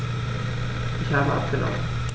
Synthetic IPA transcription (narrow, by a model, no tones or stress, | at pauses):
ʔɪçhaːbəʔa̰p̚ɡ̥ənɔ̰mt